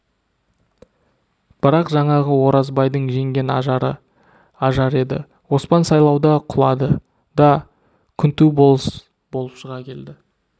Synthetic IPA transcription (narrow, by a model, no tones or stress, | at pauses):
b̥ɪɾɑqʒɑɴɑʁəwo̞ɾɑzbɑjd̪əɴʒe̞ŋɡʲe̞nɑ̰ʒɑɾə̰ | ɑʒɑɾe̞d̪ɪ̰ | wo̞spɑnsɑjlˠɑwd̪ɑqʰʊlˠɑd̪ə | d̪ɑ | kʲʰʏnt̪ubo | bo̞lˠəpʃəʁɑkʲʰe̞ld̪ɪ